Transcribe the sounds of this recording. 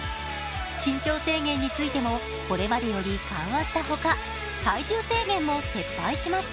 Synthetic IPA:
ɕĩɲ̟t͡ɕo̞ːse̞ːɡẽ̞ɲ̟ːit͡sɨit̪e̞mo̞ | ko̞ɾe̞mad̪e̞jo̞ɾʲikã̰ɰ̃βaɕi̥t̪aɦo̞ka | saiʑɨːse̞ːɡẽ̞mːo̞se̞pːaiɕimaɕt̪a

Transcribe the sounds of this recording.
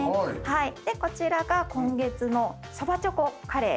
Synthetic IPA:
haid̪̥e̞ko̞t͡ɕiɾaɡakõ̞ŋɡe̞t͡sɨno̞ | sobat͡ɕokokaɾe̞̰ː

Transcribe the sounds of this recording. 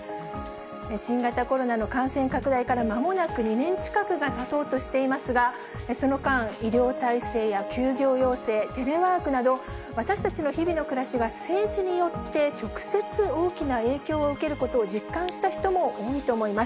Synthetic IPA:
eɕĩŋɡat̪ako̞ɾo̞nano̞kãɰ̃sẽ̞ŋkakɯ̟d̪aikaɾamamo̞nakɯ̟ɲ̟inẽ̞ɲt͡ɕi̥kakɯ̟ɡat̪at̪o̞ːt̪o̞ɕi̥t̪e̞imasɨɡa | so̞no̞kãɰ̃iɾʲo̞ːt̪aise̞ːjakʲɨːɡʲo̞ːjo̞ːse̞ːt̪e̞ɾe̞βaːkɯ̟nad̪o̞ | βat̪aɕi̥t̪at͡ɕino̞çibʲino̞kɯ̟ɾaɕiɡase̞ːʑiɲ̟ijo̞t̪ːe̞t͡ɕo̞kɯ̟̥se̞t͡sɨo̞ːkʲinae̞ːkʲo̞ːɯ̟ke̞ɾɯ̟ko̞t̪o̞ːd͡ʑikːãɰ̃ɕi̥t̪açi̥t̪o̞mo̞ʔoːit̪o̞ːmo̞imas

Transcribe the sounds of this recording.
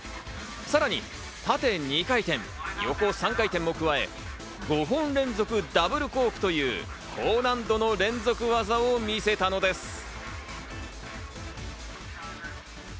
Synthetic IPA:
saɾaɲ̟ḭ | t̪at̪e̞ɲ̟ikait̪ẽ̞ŋjo̞ko̞sãŋkait̪ẽmːo̞kɯβae̞̰ | ɡo̞ɦõ̞nɾẽ̞nzo̞kɯ̟d̪abɯ̟ɾɯ̟ko̞ːkɯ̟̥t̪o̞jɯ̟̰ː | kʰoːnãnd̪o̞no̞ɾẽ̞nzo̞kɯ̟βazaomʲise̞t̪ano̞d̪e̞sɨ̥

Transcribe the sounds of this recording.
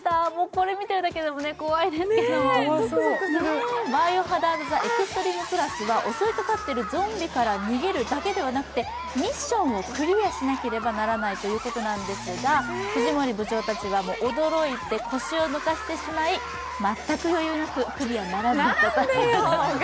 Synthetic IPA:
d̪amo̞ːko̞ɾe̞mʲit̪e̞ɾɯd̪akeed̪omo̞ne̞ko̞βaid̪e̞sɨkenom | bajo̞ɦad̪aɯzaʔe̞kɯst̪o̞ɾʲiːŋɯ̟pɯ̟ɾasɨβaʔo̞so̞it̪at̪at̪ːe̞ɾɯ̟zõ̞mbʲikaɾaɲ̟iɡe̞ɾɯ̟d̪ake̞d̪e̞βanakɯ̟t̪e̞ | mʲiɕːõ̞ɰ̃o̞kɯ̟ɾʲiaɕinake̞ɾe̞banaɾanait̪o̞jɯ̟ːko̞t̪o̞nãnd̪e̞sɨɡahoʑimoɾʲibɯ̟t͡ɕo̞ːt̪at͡ɕiβamo̞ːʔod̪o̞ɾo̞it̪e̞kʰo̞ɕio̞nokaɕi̥t̪e̞ɕimai | mat̪ːakɯ̟jo̞jɯ̟ːnakɯ̟kɯ̟ɾʲianaɾanad̪at̪a

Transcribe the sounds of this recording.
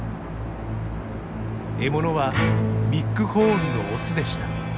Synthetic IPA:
e̞mo̞no̞βamʲikːɯ̟ho̞ːɾɯno̞ːsɨd̪e̞ɕi̥t̪ḁ

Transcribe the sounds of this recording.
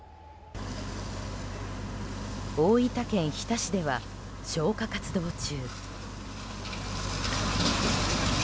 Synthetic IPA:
o̞ːit̪akẽ̞ɰ̃çi̥t̪aɕid̪e̞βaɕo̞ːkakat͡sɨd̪o̞ːt͡ɕɨː

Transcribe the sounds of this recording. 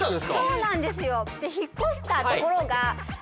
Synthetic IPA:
t̪ãnd̪eskso̞ːnãnd̪e̞sɨjo̞t̪ːeçikːo̞ɕi̥t̪at̪oko̞ɾo̞ɡa

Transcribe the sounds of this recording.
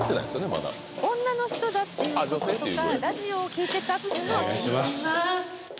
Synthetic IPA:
t̪ːenaḭ̃d̪esjonema̰d̪a̰ | õ̞nːano̞çi̥t̪o̞d̪at̪ːe̞jɯad͡ʑoset̪oeaɾaʑio̞ːkʲiːt̪e̞t̪at̪oeoea̰jɕimas

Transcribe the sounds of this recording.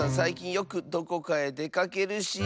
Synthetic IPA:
ãsaikʲĩɰ̃jo̞kɯ̟d̪o̞ko̞kae̞d̪e̞kake̞ɾɯ̟ɕi

